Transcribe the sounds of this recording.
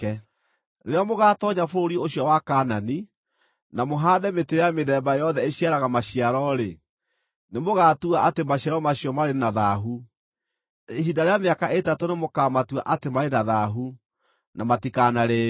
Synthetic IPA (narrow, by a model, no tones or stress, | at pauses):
ɛ | neɾeɔmoɣatɔɲafoɾoɾioɕiɔwakaːnani | namoɦaːdɛmetejameðɛbajɔðɛeɕiaɾaɣamaɕiaɾɔɾe | nemoɣaːtuaʔatemaɕiaɾɔmaɕiɔmaɾenaðaɦu | eɦidaɾeameakaʔetatonemokamatuaʔatemaɾenaðaɦu | namatikanaɾe